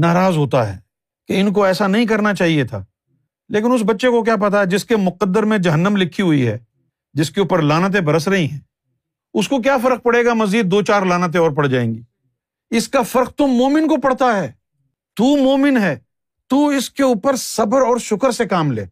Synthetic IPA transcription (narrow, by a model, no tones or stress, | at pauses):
naːɾaːzɦoːt̪aɦɛ̰ː | keɪnk̬oɛːsanɐɦĩk̬ɐɾnat͡ʃaːɦiet̪ʰa̰ː | leːk̬ɪnʊs̬bɐtːʃekok̬jaːp̬ɐt̪̬aɦɛd͡ʒɪskemʊqəd̪ːəɾmẽd͡ʒɐɦənːəmlɪkʰːiɦʊiɦɛ̰ː | d͡ʒɪskeuːpəɾlaːnat̪̬ẽbʱɐɾəs̬ɾɐɦĩɦɛ̃ː | ʊskok̬jaːfɐɾəq̚pɐɽ̤eːɡamɐziːd̪̚ːoːt͡ʃaːɾlaːnat̪̬ẽɔːɾpɐɽd͡ʒaːḛ̃ːŋɡiː | ɪskafɐɾq̚t̪ʊmːoːmɪnkopɐɽ̤t̪aɦɛː | t̪uːmoːmɪnɦɛː | t̪uːɪskeuːpəɾsɐbəɾɔːɾʃʊkəɾsekaːmlḛː